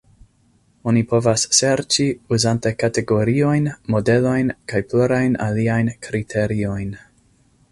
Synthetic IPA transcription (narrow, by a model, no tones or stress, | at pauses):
o̞nipo̞vasːe̞ɾt͡ʃiuzantekate̞ɡo̞ɾio̞jnmo̞de̞lo̞jnkajpluɾajna̰liajnkɾitʰe̞ɾio̞jn